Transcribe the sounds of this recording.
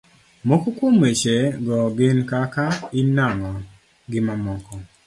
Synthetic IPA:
mokɔkwomet͡ʃeɡɔɡɪnkakainaŋɔ | ɡɪmamɔkɔ

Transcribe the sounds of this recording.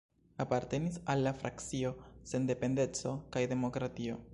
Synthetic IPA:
apaɾte̞nisalːafɾʔakt͡sio̞se̞nde̞pe̞nde̞t͡so̞kajde̞mo̞kɾatio̞

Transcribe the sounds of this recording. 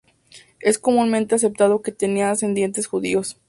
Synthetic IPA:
e̞sko̞mũnmẽnt̪e̞as̬e̞p̚t̪aðo̞ket̪eniaːse̞nd̪je̞nt̪e̞sxuðio̞s

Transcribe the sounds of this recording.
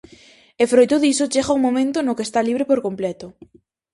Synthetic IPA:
efɾojt̪oðisot͡ʃeɣauŋmomẽnt̪ʊnʊkest̪aliβɾɪpoɾkomplɛt̪ʊ

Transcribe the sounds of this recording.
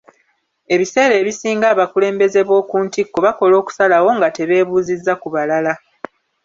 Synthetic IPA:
e̞βise̞ːɾe̞ːβisiːŋɡaːβakule̞ːmbe̞ze̞βwo̞ːkuːntikːoβako̞lo̞ːku̥salawo̞ŋɡate̞βe̞ːβuːzizːakuβalala

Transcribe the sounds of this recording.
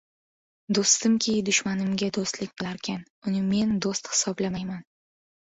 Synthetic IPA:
d̪ost̪ɪmkʲʰejd̪ʊʃmanɪmɡʲad̪ost̪lɪk̚ʲqʰɨlˠaɾkʲʰan | ʊnɪme̞nd̪ost̪hɪ̥sɒblamajman

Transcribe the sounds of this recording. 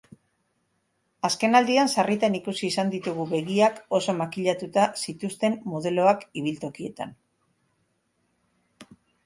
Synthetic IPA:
aske̞nald̪iansarit̪anikusiːsand̪it̪uɣuβe̞ɣiako̞so̞makiʎat̪ut̪asit̪ust̪e̞mmoð̞e̞lo̞akiβ̞ilt̪o̞kie̞̰t̪a̰n

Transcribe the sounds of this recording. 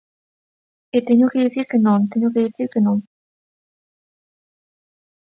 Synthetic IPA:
et̪eɲokeðiθiɾkenõŋt̪eɲokeðiθiɾkenõŋ

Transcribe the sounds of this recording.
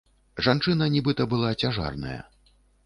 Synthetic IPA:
ʐant͡ʂɨnɐnʲibɨt̪ɐbɨlˠat͡sʲaʐa̰rnɐ̰jɐ̰

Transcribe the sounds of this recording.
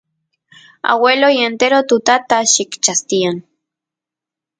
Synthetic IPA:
a̰welojent̪eɾot̪ut̪at̪aʃikt͡ʃast̪ian

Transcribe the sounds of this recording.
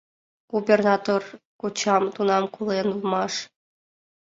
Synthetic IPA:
ɡ̥ubʲernɑt̪orkut͡ɕɑmt̪unɑmkulˠenulˠmɑʂ

